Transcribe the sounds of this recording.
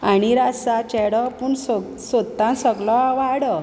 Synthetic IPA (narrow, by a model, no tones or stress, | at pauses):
aɽ̃iɾasat͡ɕɛɽɔpuɳs | sot̪ːãsəɡlɔaʋaɽə